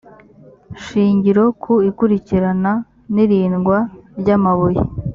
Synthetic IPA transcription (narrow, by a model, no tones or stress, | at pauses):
ʃiːɲɟiɾo̞kʰuikuɾiciɾana | niɾiːnɡwaɾɟaːmaβujḭ